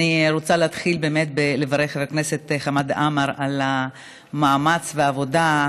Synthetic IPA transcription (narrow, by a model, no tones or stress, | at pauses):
niɾot͡saleat̪χilbe̞ːmet̪̚bele̞vaʁeχetakneset̪χamad̪amaʁala | maːmat͡sveavo̞da